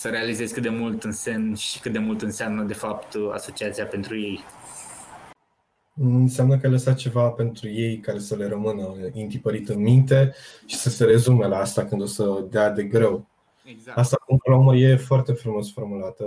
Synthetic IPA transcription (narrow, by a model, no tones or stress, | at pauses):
səɾe̞alize̞z̥ʲkɨt̪d̪e̞mult̪ɨnse̞mʃi̥kɨt̪̚d̪e̞mult̪ɨnseamnəd̪e̞fap̚t̪a̰so̞t͡ʃiat̪sijape̞nt̪ɾuje̞j | ɨnseamnəkəaləsat̪̚t͡ʃe̞vape̞nt̪ɾuje̞jkaɾe̞səle̞ɾəmɨnəint̪ipəɾit̪ɨnmint̪e̞ʃi̥səse̞ɾe̞zume̞laast̪akɨnd̪o̞səd̪ead̪e̞ɡɾe̞w | east̪akumpəlooməɾje̞foart̪e̞fɾumo̞sfo̞rmulat̪ə